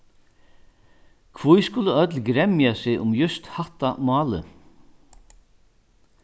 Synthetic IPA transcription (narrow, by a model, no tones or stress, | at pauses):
kʰvujskʊlːəœt̪lɡɾɛmjasɪɣʔʊmjʏst̪haht̪amɑːlə̰